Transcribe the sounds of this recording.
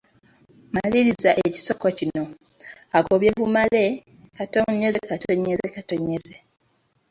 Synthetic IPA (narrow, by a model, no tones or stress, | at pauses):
maliɾizaʔeeci̥so̞kocino̞ | ako̞βje̞βumale̞ | kato̞ɲːezekatoɲːezekato̞ɲːeze